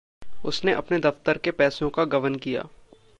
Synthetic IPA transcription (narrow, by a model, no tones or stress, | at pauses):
ʊsneʔɐpned̪ɐft̪əɾkepɛːsõkaɡɐʋənkija̰ː